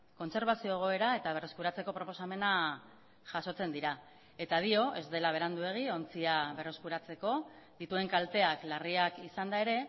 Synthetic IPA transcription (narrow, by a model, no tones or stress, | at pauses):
ko̞nse̞ɾβ̞asio̞eɣ̞o̞e̞ɾae̞t̪aβ̞e̞re̞skuɾat͡se̞ko̞pɾo̞po̞same̞na | ʝ̥aso̞t͡se̞nd̪iɾa | e̞t̪að̞io̞ʔe̞zd̪e̞laβ̞e̞ɾand̪ue̞ɣ̞io̞nt͡siaβe̞reskuɾat͡se̞ko̞ðit̪ue̞ŋkalt̪e̞aklariakisand̪ae̞ɾe̞